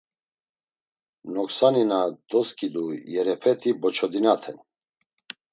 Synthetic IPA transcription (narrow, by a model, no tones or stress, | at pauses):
nɔksaninad̪̥ɔskʼid̪ujɛɾɛpʰɛt̪ʰibɔt͡ʃʰɔd̪inat̪ʰɛn